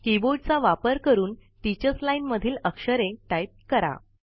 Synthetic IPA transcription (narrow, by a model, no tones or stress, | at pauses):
kiboɖt͡saʋapəɾkəɾuːn | t̪it͡ɕət͡slajnməd̪ʱiːləkʂəɾẽʈajp̚kəɾa̰